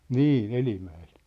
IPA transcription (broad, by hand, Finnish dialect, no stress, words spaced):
niː elimæelt